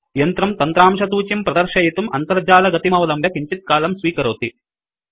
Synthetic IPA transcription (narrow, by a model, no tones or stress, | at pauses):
ijɐnt̪ɾɐmt̪ɐnt̪ɾaːmʂɐt̪uːt͡ʃimpɾɐd̪ɐɾʃɐjit̪umɐnt̪ɐɾd͡ʒaːlɐɡɐt̪imɐʋɐlɐmbɐkiɲt͡ʃit̪̚kaːlɐmsʋiːkɐɾoːt̪i